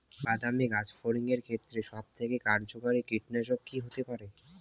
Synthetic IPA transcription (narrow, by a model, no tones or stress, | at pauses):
bad̪amiɡad͡ʑfoɾiŋeɾkʰet̪ːɾeʃɔb̚t̪ʰekekaɾd͡ʑokaɾikɾiʈneʃokkːiɦot̪epaɾe